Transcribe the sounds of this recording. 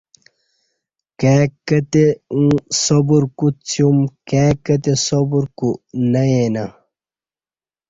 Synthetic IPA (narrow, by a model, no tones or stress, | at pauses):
keːkːɐt̪eũsobuɾkut͡sjumkeːkɐt̪esobuɾkunɐjenɐ